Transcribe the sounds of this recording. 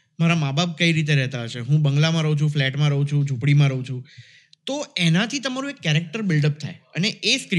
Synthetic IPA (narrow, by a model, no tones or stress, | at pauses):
maɾamabap̚kəiɾit̪̬eɾɛɦt̪aɦəʃeɦũbəŋɡlamãɾəɦũt͡ʃʰũflɛʈmãɾəɦũt͡ʃʰũd͡ʒʱũpɽimãɾəɦũt͡ʃʰũ | t̪oenat̪ʰit̪əmaɾũekːɛɾek̚ʈəɾbɪlɖəp̚t̪ʰa̰jəneʔesk